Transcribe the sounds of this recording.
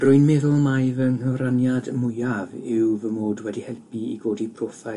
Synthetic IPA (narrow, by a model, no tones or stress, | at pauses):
rʊɨnmɛðʊlˠmajvənhəvɾanjadmʊjavɪwvəmoːdwɛdihɛlˠpʰiḭɡoːdipʰroːθa